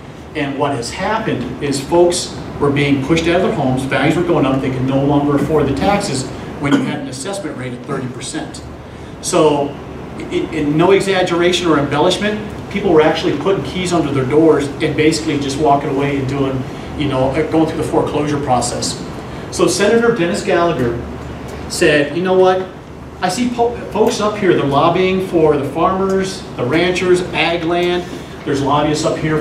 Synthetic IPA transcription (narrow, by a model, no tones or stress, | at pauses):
ɨ̃nwʌt̚hɨz̥hæpɨ̃ndɪz̥foʊks | wə˞biɪ̃ŋpʰʊʃtaʊɾʌvðə˞hõʊ̃mzbæɡzwə˞ɡoʊɪ̃ŋʌp̪̚ðeɪkɨdⁿnoʊlɔ̃ŋɡə˞əfɔɹd̪̚ðɨtʰæksɨz | wɨ̃njɨɨɾn̩ɨsɛsmɨ̃nʔɹeɪɾɨt̪̚θɜ˞ɾipʰə˞sɛ̃nt | soʊ | ɪ̃nːoʊɨɡzæd͡ʒə˞eɪʃɨ̃nə˞ɨ̃mbɛlˠəʃmɨ̃npʰipl̩ˠwə˞æk̚t͡ʃʉl̩ˠipʰʊɾɪ̃ŋkʰizʌ̃ndə˞ðə˞dɔɹzɨ̃nbeɪsɨ̥klid͡ʒʌst̚wɔkɪ̃ŋəweɪɨ̃nduɪ̃ŋ | jɨnoʊʔɡoʊɪ̃ŋθɹʉðəfəɹkʰl̥oʊʒə˞pʰɹ̥ɔsɛsː | oʊsɛnɨɾə˞dɛnɨsɡ̥ælˠəɡə˞ | sɛd̚jɨnoʊwʌt̚ | aɪsiffoʊksʌphiɹðə˞lɑbiɪ̃ŋfə˞ðɨfɑɹmə˞z | ðəɹæ̃nt͡ʃə˞zæɡlæ̃n | ðə˞zlɑbiɨsʌphiɹ